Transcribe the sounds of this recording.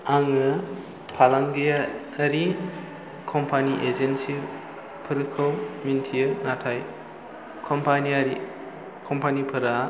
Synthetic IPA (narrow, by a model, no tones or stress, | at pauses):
aŋɯ | pʰalaŋɡejaː | ɾi | kʰɔmpʰaniʔed͡ʒensi | pʰɯɾɯkʰɯwmintʰijɯnatʰaj | kʰɔmpaniaɾi | kʰɔmpanipʰɐɾa